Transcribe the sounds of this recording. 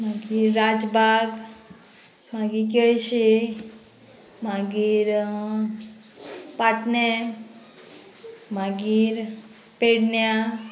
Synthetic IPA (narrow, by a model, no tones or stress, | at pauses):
maɡiːɾɾad͡zbʱaɡ | maɡik̬eɭɕe | maɡiːɾ | paʈnɛ | maɡiːɾ | peɽɳja